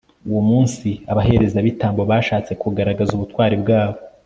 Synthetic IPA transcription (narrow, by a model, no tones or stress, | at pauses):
uwumuːnsiaβaɦe̞ɾezaβitaːmboβaːʃaːt͡se̞kuɡaɾaɡazuβutwaːɾibɡaːβo